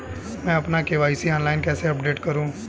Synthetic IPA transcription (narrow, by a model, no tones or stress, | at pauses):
mɛ̃ːəpnaːkeʋaːisiɔ̃ːnlaːɪnkɛːseəpɖeːʈkəɾũː